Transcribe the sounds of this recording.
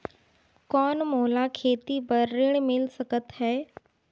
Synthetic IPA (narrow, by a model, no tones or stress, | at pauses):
kɔːnmoːlakʰeːt̪ibəɾːɪɽ̃mɪlsɐkət̪ɦɛː